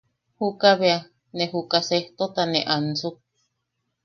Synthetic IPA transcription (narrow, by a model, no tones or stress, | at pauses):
hukaβea | nehukaseht̪ot̪aneʔansuk̚